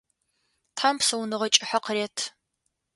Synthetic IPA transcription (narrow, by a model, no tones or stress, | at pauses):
tʰħampsɐwnɨʁɐt͡ʃʼɪħaqəreːtʰ